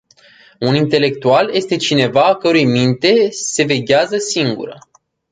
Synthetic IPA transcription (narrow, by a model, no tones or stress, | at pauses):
unint̪e̞le̞k̚t̪ualje̞st̪e̞t͡ʃine̞vaːkəɾujmint̪e̞se̞ve̞ɡʲeazəsiŋɡṵɾə